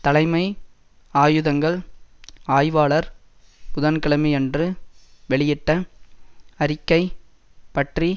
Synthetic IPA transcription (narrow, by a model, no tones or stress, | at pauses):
t̪ɐlɐɪmɐɪ | aːjɯðɐŋɡɐɭ | aːjʋaːɭɐɾ | kʊðɐnkɐɭɐmiɛndrɯʋɛɭɪjɪʈːɐ | ɐɾɪkːɐɪ | pɐʈri